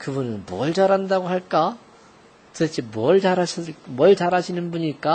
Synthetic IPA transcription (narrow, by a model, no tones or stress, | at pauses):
kɯbunɯnmwʌɭd͡ʑaɾandaɡoɦaɭk͈a | tɯt͡ɕʰimwʌɭt͡ɕaɾaɕʰimwʌɭt͡ɕaɾaɕʰinɯnbuɲik͈a